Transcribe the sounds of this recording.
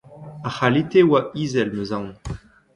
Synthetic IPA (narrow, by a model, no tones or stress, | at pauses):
aχalit̪ewaizɛlmøzãw